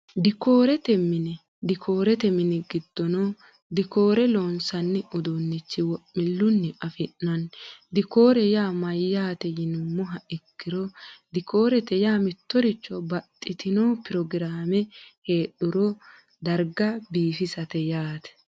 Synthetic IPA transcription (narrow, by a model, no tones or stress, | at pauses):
d̪ɪko̞ːɾɛt̪ɛmːɪnɪ | d̪ɪkʰo̞ːɾɛt̪ɛmɪnɪɡɪd̪̥ːɔnɔ | d̪ɪko̞ːɾɛloːnsɐnːɪʊd̪onːɪt͡ʃːɪwɔʔmɪlːʊnːɪɐfɪʔːɐnd̪ɪko̞ːɾɛjaːmɐjːaːt̪ɛjɪnʊmːʊɦɐɪkːɪɾɔd̪ɪko̞ːɾɛt̪ɛjaːmɪt̪ːɔɾɪt͡ʃːɔbɐt̪ʼːɪt̪ɪnoːpɪɾɔɡɪɾaːmɛhe̞ːɗʊɾɔ | d̪ɐɾɡɐbiːfɪsɐt̪ɛjaːt̪ɛ̥